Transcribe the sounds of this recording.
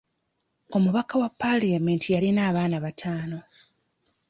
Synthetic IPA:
o̞muβakawapːaliame̞ntijalinaːβaːnaβatʰaːno̞

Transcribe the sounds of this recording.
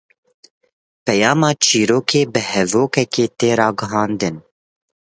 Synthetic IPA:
pɛjɑːmɑːt͡ʃʰiːɾoːkʰeːbɨhɛvoːkɛkeːt̪eːɾɑːɡɨɦɑːnd̪ɨn

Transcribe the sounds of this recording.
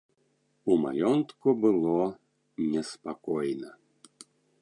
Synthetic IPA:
uma̰jɔnt̪kubɨlˠɔ | nʲɛspakɔjnɐ

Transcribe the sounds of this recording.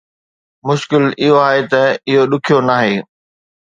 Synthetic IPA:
mʊʃkɪlɪɦoaːɦet̪ɐɪɦoɗʊkʰijonaːɦeː

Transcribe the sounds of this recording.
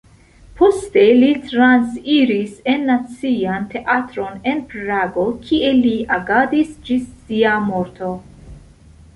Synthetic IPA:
poste̞litɾansiɾise̞nːat͡siante̞ʔatɾo̞ne̞npɾaɡo̞kʰieliʔaɡadisd͡ʒisːiamo̞ɾto̞

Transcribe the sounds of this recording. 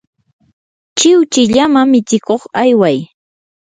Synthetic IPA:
t͡ʃɪwt͡ʃɪʎamamɪt͡ʃɪkoχajwaj

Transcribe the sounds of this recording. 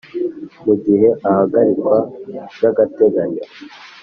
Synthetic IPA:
muɡiheʔahaɡaɾikwajaɡateɡaɲe

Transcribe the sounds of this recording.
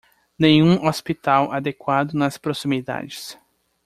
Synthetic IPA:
nẽj̃ũʔospit̪awʔad̪ekwad̪ʊnɐspɾosimid̪a̰d͡ʒɪs

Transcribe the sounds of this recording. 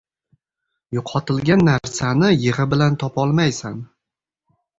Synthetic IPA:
jʊqʰɒt̪ɪlɡʲanːaɾsanɪjɪʁɨbɪlant̪ʰɒpɒlˠmajsan

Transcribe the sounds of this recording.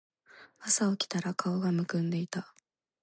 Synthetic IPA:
asaokʲi̥t̪aɾakʰao̞ɡamɯ̟kɯ̟̃nd̪e̞it̪a

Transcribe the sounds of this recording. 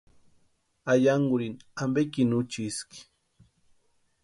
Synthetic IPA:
ajaŋɡʊɾinambekinut͡ʃiski̥

